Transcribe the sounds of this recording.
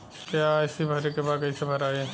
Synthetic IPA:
kjaɪsibʱɐɾekebaːd̪̚kɐisebʱɐɾaːe

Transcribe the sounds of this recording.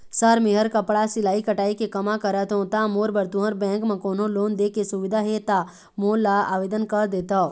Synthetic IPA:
səɾmɪɦəɾkɐpɽasɪlaːikɐʈaːikekɐmakəɾət̪ɦõt̪amoːɾbəɾt̪ũɦə̃ɾbɛ̃ːŋkmãkoːnõloːnd̪eːkesuʋɪd̪ʱaɦet̪a | moːlaa̰ːʋeːd̪ənkəɾd̪eːt̪a

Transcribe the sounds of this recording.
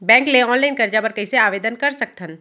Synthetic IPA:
bɛ̃ːŋkleɔ̃ːnlaːɪnkɐɾd͡ʒapɐɾkɐɦiseaːʋeːd̪ənkɐɾsək̚t̪ʰən

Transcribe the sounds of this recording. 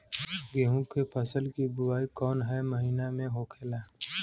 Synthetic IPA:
ɡeɦũkːepʰəsəlkibʊwaːikɔːnɦɛməɦinamẽɦoːkʰeːlaː

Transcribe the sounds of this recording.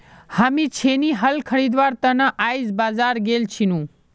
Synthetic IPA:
hamĩt͡ʃʰeniɦəlkʰəɾid̪ʋaːɾt̪ənaʔajzbaːzaːɾɡelt͡ʃʰinũ

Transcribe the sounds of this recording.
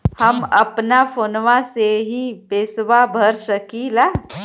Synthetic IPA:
həməpnafoːnʋãseɦibeːsʋabʱəɾsəkilaː

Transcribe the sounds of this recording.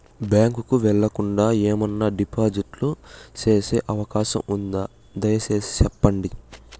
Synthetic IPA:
bjaːŋkukuʋɛɭːɐkuɳɖaːeːmɐnːaɖipaːd͡ʒiʈlut͡ʃe̞ːse̞ːʔɐʋɐkaːʃɐ̰mund̪aː | d̪ɐjɐt͡ʃe̞ːsi̥t͡ʃɛpːɐɳɖi

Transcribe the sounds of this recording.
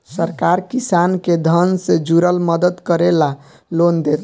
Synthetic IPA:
səɾkaɾkisanked̪ʱənsed͡ʒuɾəlməd̪əd̪kəɾela | lond̪et̪

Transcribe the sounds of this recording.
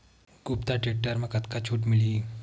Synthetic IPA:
ɡupt̪aʈeʈːəɾməkət̪kat͡ɕʰuːʈmiliː

